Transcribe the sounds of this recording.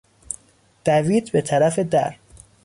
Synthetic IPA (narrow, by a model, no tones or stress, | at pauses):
d̪̥æviːt̪ʰbet̪ʰæɾæfe̞d̪æ̰ɾ